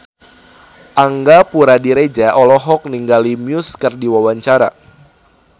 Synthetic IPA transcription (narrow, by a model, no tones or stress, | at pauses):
ʔaŋɡapuɾadiɾed͡ʒaʔɔlɔɦɔk̚niŋɡalimjʊskɨrdiwawaɲt͡ʃaɾa̰